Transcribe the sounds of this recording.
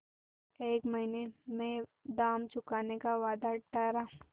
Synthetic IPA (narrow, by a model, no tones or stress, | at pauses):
eːkmɐɦinemẽd̪aːmt͡ʃʊkaːnekaʋaːd̪aʈaɾaː